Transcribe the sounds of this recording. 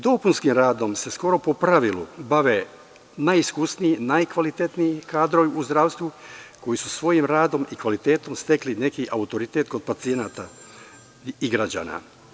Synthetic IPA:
d̪o̞punskimɾaːd̪o̞mse̞sko̞ɾo̞po̞pɾaʋilṵbaʋe | najiskusniinajkʋalit̪e̞t̪niikaːd̪ɾoʋiuzd̪ɾaːʋst̪vuko̞jisusʋo̞jimɾaːd̪o̞mikʋalit̪e̞ːt̪o̞mst̪e̞kline̞kiʔaut̪o̞ɾit̪et̪ko̞d̪̚pat̪sijenaːt̪a | iɡɾad͡ʑa̰ːna̰

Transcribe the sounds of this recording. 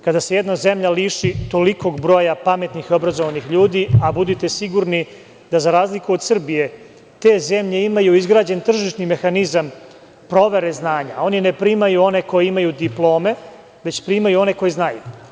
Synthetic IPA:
kad̪ase̞jed̪nazemʎaliʃit̪o̞liko̞ɡbɾo̞ːjapame̞t̪nixio̞bɾazoʋanixʎuːd̪iabud̪it̪e̞siɡuɾni | d̪̥azaɾaːzlikuod̪sr̩bije̞ | t̪e̞ːzemʎe̞imajuizɡɾaːd͡ʑe̞nt̪r̩ʒiʂnime̞xanizam | pɾo̞ʋe̞ɾe̞znaːɲao̞ninepɾiːmajuo̞ne̞ko̞jeimajud̪iplˠo̞ːme̞ | ʋe̞t͡ɕpɾiːmajuo̞ne̞ko̞jeznajṵ

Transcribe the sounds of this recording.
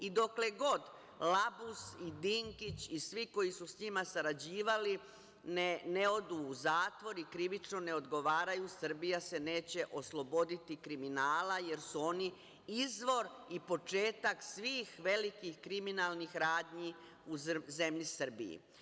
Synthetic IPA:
id̪o̞kle̞ɡo̞d̪ | labusid̪iŋkit͡ɕisʋiko̞jisusɲimasaɾad͡ʑiːʋali | neneo̞d̪uːzaːt̪ʋo̞ɾikɾiʋit͡ʃno̞ne̞o̞d̪ɡo̞ʋaːɾajusr̩bijase̞ne̞ːt͡ɕe̞ʔo̞slo̞bo̞d̪it̪ikɾiminaːlaje̞ɾsuo̞ni | izʋo̞ɾ | ipo̞t͡ʃe̞ːt̪aksʋiːxʋe̞likixkɾiminalˠnixɾaːd̪ɲi | uze̞mʎisr̩bḭḭ

